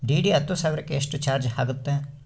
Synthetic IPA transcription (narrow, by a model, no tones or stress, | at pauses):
ɖiːɖiɐt̪ːusɐːʋɾɐkːeːʂʈut͡ʃaːɾd͡ʒhaːɡut̪ːe